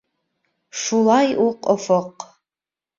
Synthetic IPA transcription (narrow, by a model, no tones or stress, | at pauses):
ʃulˠɑjuqofɤq